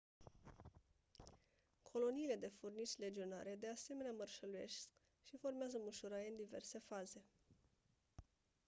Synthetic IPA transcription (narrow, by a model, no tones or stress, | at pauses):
kʰo̞lo̞niːle̞d̪e̞furnit͡ʃʲle̞d͡ʒio̞na̰ɾe̞d̪e̞ase̞me̞neamərʃəluje̞̰sk | ʃifo̞rmeazəmuʃuɾaɾeɨnd̪iverse̞faze̞